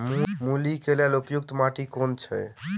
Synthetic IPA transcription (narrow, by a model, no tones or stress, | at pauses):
mmulikelelupjuk̚t̪maʈikont͡ʃʰɛ̰